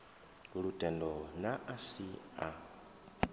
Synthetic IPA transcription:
ɺutʼɛndɔnaʔasia

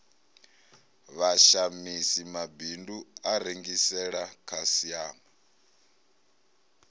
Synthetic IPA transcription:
βaʃamisimabinduaɾeŋɡisɛɺakʰasiaːma

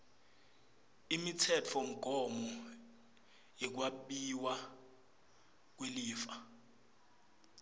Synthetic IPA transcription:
imitʰɛt͡fʰɔm̩ɡ̥ʱɔmɔ | ik̬waɓiwa | k̬weliːfa

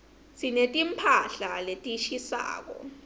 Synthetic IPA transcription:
sinetʼimpʰaɬaletʼiʃisa̰ːk̬ɔ̰

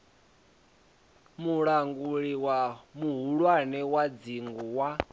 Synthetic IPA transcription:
muɺaŋɡuɺiwamuɦuɺwanɛwad͡ziŋɡuwa

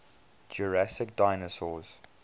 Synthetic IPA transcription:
d͡ʒəɹasɪk̚daɪnəsɔz̥

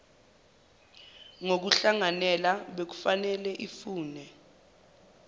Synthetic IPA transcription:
ŋok̬uɬaŋanɛlaɓek̬u̥fanɛlɛʔifuːnɛ

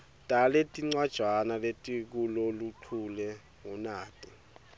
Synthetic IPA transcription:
tʼaletʼiŋ͡ǀwad̥ʒ̥ʱwanaletʼik̬ulɔluǃʰulɛ | ŋɔnaːtʼi

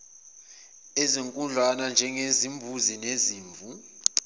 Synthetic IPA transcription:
eziŋkʼuɮʱwanand͡ʒʱɛŋezimbʱuzineziːɱvu

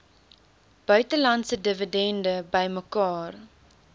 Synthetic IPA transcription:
b̥œɥtəlɐntsədəvədɛndəbəjməkɑːr

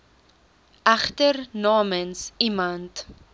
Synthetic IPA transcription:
ʔɐχtərnɑːmənsimɐnt

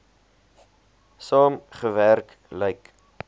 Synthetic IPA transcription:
sɑːmχəværk | ləjk

